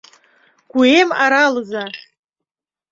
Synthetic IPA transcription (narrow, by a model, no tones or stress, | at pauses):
ɡ̥ʷuemaɾalza